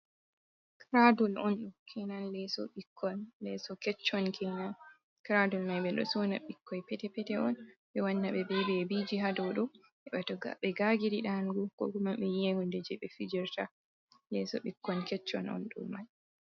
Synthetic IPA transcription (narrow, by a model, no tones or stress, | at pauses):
kɾadɔlɔnɗumkʰɛnanlɛsɔ̰ɓikʰːɔnlɛsɔkɛt͡ʃːɔnkʰɛnan | kɾadɔlmajɓɛɗɔ̰sɔna̰ɓikːɔjpɛtɛpɛtɛɔnɓɛwanːaɓɛbɛbɛbid͡ʒiɦadɔwɗɔ | ɛɓɛtɔɡa̰ɓɛɡaɡiɾiɗanɡukɔ̰kumaɓɛjeŋundɛd͡ʒɛɓɛfid͡ʒiɾta | lɛsɔ̰ɓikːɔnkɛt͡ʃːɔnɔ̰nɗṵmːaj